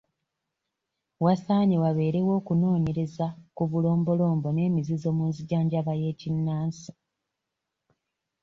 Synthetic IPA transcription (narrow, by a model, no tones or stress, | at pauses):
wasaːɲiwaβe̞ːɾe̞wo̞ːkuno̞ːɲe̞ɾe̞zakuβulo̞ːmbo̞lo̞ːmbo̞ne̞ːmizizo̞ːmuːnziɟaːɲɟaβaje̞ːcinːaːnsi̥